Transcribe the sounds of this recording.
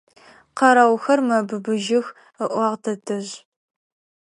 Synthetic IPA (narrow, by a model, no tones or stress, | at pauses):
qɐɾɐwxɐrmɐbɨbɨʒɪx | əʔʷɑːʁtʰɐtʰɨʑ